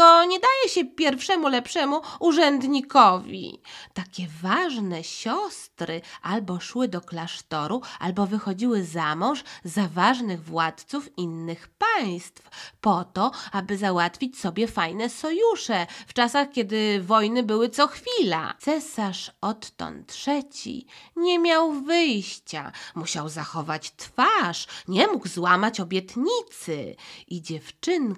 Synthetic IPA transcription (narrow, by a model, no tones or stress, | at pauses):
t̪ɔɲɛd̪ajɛɕɛpʲjɛɾfʂɛmulɛpʂɛmuuʐɛnd̪ɲikɔvʲḭt̪akʲɛvaʐnɛɕɔst̪ɾɘʔalbɔʂwɘd̪ɔklaʂt̪ɔɾua̰lbɔvɘxɔd͡ʑiwɘzamɔ̃ʐzavaʐnɘɣvwat̪t̪sufinːɘxpaj̃st̪fpɔt̪ɔabɘzawat̪fʲit͡ɕsɔbʲjɛfajnɛsɔjuʂɛft͡ʂasaxkʲɛd̪ɘvɔjnɘbɘwɘt̪sɔxfʲila̰t̪sɛsaʂɔt̪ːɔ̰nt̪ʂɛt͡ɕḭɲɛmʲjawvɘjɕt͡ɕa̰muɕawzaxɔvat͡ɕt̪faʂɲɛmuɡzwamat͡ɕɔbʲjɛt̪ɲit̪sɘ̰ʔid͡ʑɛft͡ʂɘn